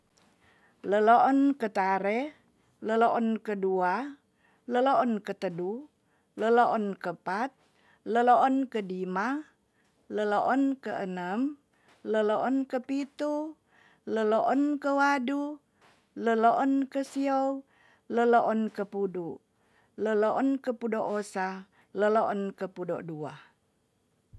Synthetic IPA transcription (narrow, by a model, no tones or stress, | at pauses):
ləloʔɔnkət̪aɾɛ | ləloʔɔnkədua | ləloʔɔnkət̪ədu | ləloʔɔnkəpat̪̚ | ləloʔɔnkədima | ləloʔɔnkəənəm | ləloʔɔnkəpit̪u | ləloʔɔnkəwadu | ləloʔɔnkəsiow | ləloʔɔnkəpudu | ləloʔɔnkəpudoʔosa | ləloʔɔnkəpudɔʔdua